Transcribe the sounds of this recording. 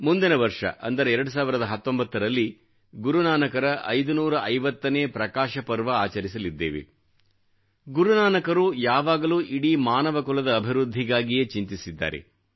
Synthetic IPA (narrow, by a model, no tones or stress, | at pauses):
mund̪inɐʋɐɾʂɐ̰ʔɐnd̪ɐɾeːɛɾɐɽus̬aːʋiɾɐd̪ɐɦɐt̪ːo̞mbɐt̪ːɐɾɐlːi | ɡuɾunaːnɐkɐɾɐʔɐ̰jd̪unuːɾɐʔɐjʋɐt̪ːɐneːpɾɐkaːʃɐpɐɾʋɐaːt͡ʃɐɾisɐlid̪ːe̞̰ːʋḛ | ɡuɾunaːnɐkɐɾuːjaːʋaːɡɐluːʔiɽimaːnɐʋɐkulɐd̪ɐːbʱiɾud̪ʱːiɡaːɡijet͡ʃint̪isid̪ːa̰ːɾḛ